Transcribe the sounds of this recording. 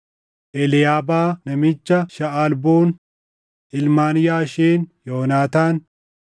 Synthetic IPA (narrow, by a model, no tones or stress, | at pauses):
ʔɛlɪjaːbaːnɐmɪt͡ʃːɐʃɐalboːn | ʔɪlmaːnɪjaːʃeːnjoːnaːt̪aːn